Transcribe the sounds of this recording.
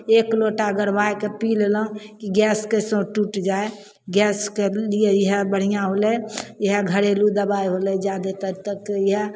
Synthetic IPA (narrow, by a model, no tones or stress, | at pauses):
eːkloʈaɡəɾbaekepileləɦũkiɡɛːskesõʈuʈd͡ʒae | ɡɛːskelijejəɦbəɽ̤ijãɦolejəɦeɡʱəɽelud̪əbaiɦolɛd͡ʒjad̪et̪ət̪əkjɦe